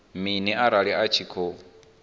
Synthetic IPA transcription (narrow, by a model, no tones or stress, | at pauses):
miniaɾaɺiat͡ʃʰikʰo